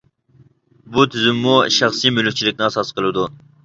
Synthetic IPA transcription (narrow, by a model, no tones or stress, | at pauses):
but̪ʰyzymːuʃɑχsijmylyk̚ʲt͡ʃʰilɪk̚ʲnɪɑsɑsqəlˠɨd̪u